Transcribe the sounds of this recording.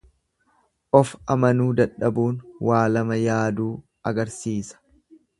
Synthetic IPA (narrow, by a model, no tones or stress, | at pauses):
ʔɔfɐmɐnuːd̪ɐᶑːɐbuːnwaːlɐmɐjaːd̪uː | ɐɡɐɾsiːsɐ̥